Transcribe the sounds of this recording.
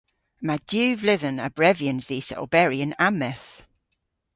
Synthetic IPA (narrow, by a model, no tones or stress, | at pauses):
madjʉːvlɪðə̃nə̰bɹɛvjə̃nzðiːsə̰lˠbɛɹiə̃namɛθ